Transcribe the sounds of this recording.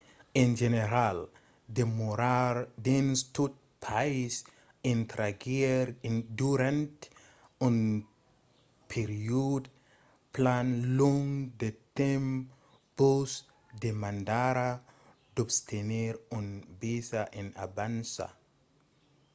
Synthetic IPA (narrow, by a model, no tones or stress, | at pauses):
ɛnd͡ʒeneɾal | demoɾaɾdenst̪ut̚pʰais | ĩnt̪ɾaɡeɾduɾãnt | un | pʰeɾiud | planlɔŋdet̪ɛm | pos | d̪emandaɾa | d̪ɔbst̪ʰeneɾunbisaʔɛ̃na̰bansa̰